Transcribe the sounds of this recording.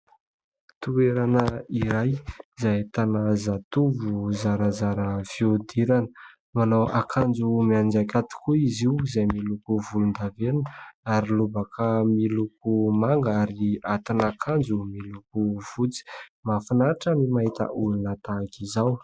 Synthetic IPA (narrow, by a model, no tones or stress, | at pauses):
t̪ueɾanəiɾajzajt̪anazat̪uvuzaɾazaɾəv̥iod̪iɾanə | manawakʰand͡zumiand͡ʒakʲat̪i̥kuiziuzajmilukuvulund̪aveɾunaɾilubakʰamilukumaŋɡaɾiat̪inakʰand͡zumilukuv̥ut͡si̥mafinaʈ͡ʂamimaɦit̪ə̰ʔulunət̪akizaw